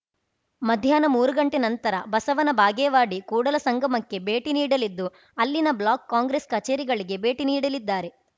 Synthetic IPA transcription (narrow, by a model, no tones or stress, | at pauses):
mɐd̪ʱjaːnɐmuːɾuɡɐɳʈenɐnt̪ɐɾɐbɐsɐʋɐnɐbʱaːɡeːʋaːɽikuːɽɐlɐsɐŋɡɐmɐkːe̞be̞ːʈiniːɽɐlid̪ːu | ɐlːinɐblaːkːaːŋɡɾeskɐt͡ʃeːɾiɡɐɭiɡe̞be̞ːʈiniːɽɐlid̪ːaːɾe̞